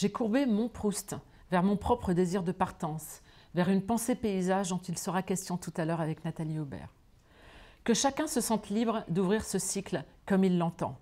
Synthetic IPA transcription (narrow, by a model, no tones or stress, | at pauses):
ʒekuʁbemɔ̃pχust̪ | vɛʁmɔ̃pχɔpχəd̪eziʁd̪əpaʁt̪ɑ̃s | vɛʁynpɑ̃sepeizaʒd̪ɔ̃t̪ilsəʁakʲɛst̪jɔ̃t̪ut̪alœʁavɛknat̪aliobɛ̰ːʁ | kəʃakʲɛ̃səsɑ̃t̪libʁd̪uvʁiʁsəsiklkɔmilːɑ̃t̪ɑ̰̃